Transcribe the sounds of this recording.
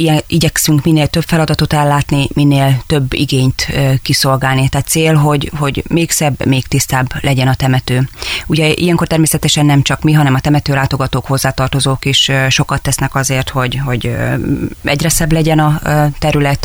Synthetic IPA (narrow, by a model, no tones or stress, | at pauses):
ijɛiɟɛksyŋkminːeːlt̪øbfɛlɒd̪ɒt̪o̞t̪ɛlːaːt̪niminːeːlt̪ø̞bːḭɡeːɲt̪økiso̞lɡaːlnit̪ɛːt̪t̪seːlɦo̞ɟho̞ɟmeːksɛbːmeːkt̪ist̪aːblɛɟɛnɒt̪ɛmɛt̪øːuɟɛʔḭjɛŋko̞rt̪ɛrmeːsɛt̪ɛʃɛnːɛmt͡ʃɒkmiɦɒnɛmɒt̪ɛmɛt̪øːlaːt̪o̞ɡɒt̪oːkho̞zːaːt̪ɒrt̪o̞zoːkeːʃʃo̞kɒt̪ːɛsnɛkɒzeːrt̪ho̞ɟho̞ɟ | ɛɟrɛsɛblɛɟɛnɒt̪ɛɾylɛt̪